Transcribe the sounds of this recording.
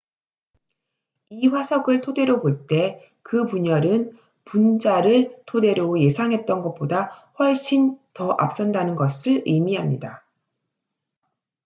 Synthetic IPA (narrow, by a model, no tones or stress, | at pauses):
iɸwasʰʌɡɯɭtʰode̞ɾoboɭt͈e̞ | kɯpuɲʌɾɯn | pund͡ʑaɾɯɭtʰode̞ɾjoje̞sʰaŋɦe̞t̚t͈ʌnɡʌt̚p͈odaɸwʌɭɕ͈ʰintʌʔa̰p̚s͈ʌndanɯnɡʌsʰɯɭɯmiɦamɲida